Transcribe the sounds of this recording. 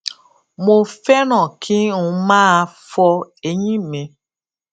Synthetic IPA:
mo˧fɛ˦nɔ̃˨kʰɪ˦n̩˨˦mãː˦˧fɔ˧e˨ɲĩ˦˨me˧

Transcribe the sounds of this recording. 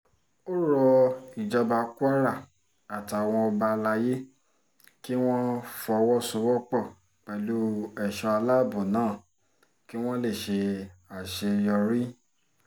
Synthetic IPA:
o˦ɾɔ˧i˨d͡ʒa˧ba˧ku˦a˦ɾa˦˨ | a˨ta˨w̃ɔ̃˧ɔ˧ba˧la˧je˦ | ki˦w̃ɔ̃˦fɔ˧wɔ˦su˧˦wɔ˦k͡pɔ˦˨ | k͡pɛ˨lu˦ɛ˨ʃɔ̃˧a˧la˦˨bɔ̃˨nãː˨˦˨ | ki˦w̃ɔ̃˦le˦˨ʃe˧a˨ʃe˧jɔ˧ɾi˦

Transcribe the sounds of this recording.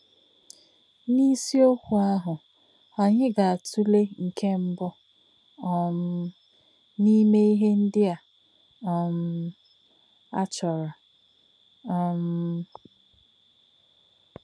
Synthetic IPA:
ni˦si˦o˦kʷu˨a˦ɦʊ˨ | ɔ˨ɲɪ˦ɡa˨a˨tʰu˦le˦ŋ̩˨kʰe˦m̩˦bʊ˦˨ | m˦ | ni˦me˦i˦ɦe˦n̩˦dɪ˦a˨ | ɔ˨m̩˦ | a̰˦t͡ʃɔ˨ɾa˨ | m̩˦

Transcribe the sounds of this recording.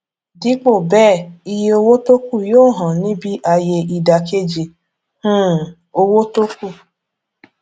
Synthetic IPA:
di˦k͡po˦˨bɛː˦˨i˧je˧o˧wo˦to˦ku˦˨joː˦˨ɦɔ̃˨nĩ˦bi˦ʔa˧je˧i˧da˨ke˦d͡ʒe˨ | hũ˦ | o˧wo˦to˦ku˦˨

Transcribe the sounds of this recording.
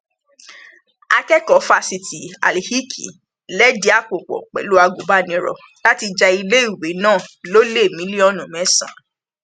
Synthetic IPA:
a˧kɛ˦kɔ˨˦fa˧si˨ti˨a̰˨le˨hi˦kʰḭ˨ | lɛ˦di˦a˦˨k͡po˨k͡pɔ̰˨k͡pɛ̰˨lu˦a˧ɡo˨˦ba˦nĩ˨˦ɾɔ̰˧˨ | la˦ti˧d͡ʒa˧i˧le˦i˦˨we˨˦nãː˦˨lo˦le˦˨mĩ˨˦li˦ɔ˦nũ˨mɛ̃˨˦sã̰˨

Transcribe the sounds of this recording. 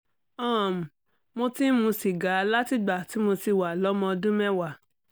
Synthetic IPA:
ã˦˨m̩˨ | mo˧tĩ˦mũ˧si˨ɡa˨˦la˦ti˦˨ɡ͡ba˨ti˨˦mo˧si˧wa˨lɔ˨˦mɔ̃˧dũ˦mɛ̃˦wa˨

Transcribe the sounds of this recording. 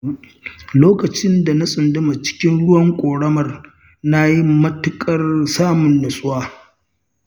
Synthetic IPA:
loː˦kɐ˨t͡ʃɪ˦nda˨na˦sʼʊ˨ndʊ˦ma˨t͡ʃɪ̥˦kʲɪ˦nɽʊ˦wɐ˨ŋkʷʼoː˨ɽɐ˦mɐ˨r | na˦ji˦mɐ˦tʊ˦kʼɐ˦rsaː˦mʊ˨nːɐ˨sʼʊ˦waː˦

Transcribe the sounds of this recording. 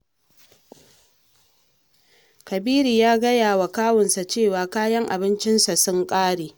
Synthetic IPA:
kɐ˨biː˦ɾi˨jaː˦ɡɐ˦jaː˨wa˨kaː˦wʊ˨nsa˨t͡ʃeː˦˨waː˨kaː˦jɐ˦ŋʔa̰˨bɪ˦nt͡ʃɪ˦nsa˨sʊ˦ŋkʼaː˦ɽeː˨

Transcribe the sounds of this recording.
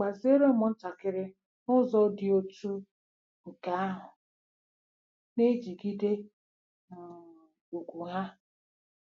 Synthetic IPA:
k͡pa˨ze˦ɾo˦mʊ˨n̩˦ta˨kɪ˦ɾɪ˦ | nʊ˦zɔ˦dɪ˦o˦tu˦ | ŋ̩˨ka˨a˦ɦʊ˨ | ne˦d͡ʒi˨ɡi˦de˦˨ | u˨ɡʷu˨ɦa˦

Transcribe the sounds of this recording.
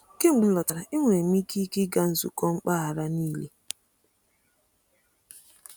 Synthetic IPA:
ke˦ŋ͡m̩˨ɡ͡bi˨n̩˦lɔ˨ta˨ɾa˨ʔi˦ŋʷe˨mi˦ki˦kɪ˦ɡa˦n̩˨zṵ˦kɔ˦ŋ͡m̩˦k͡pa˦ɦa˨ɾa˦niː˦le˦

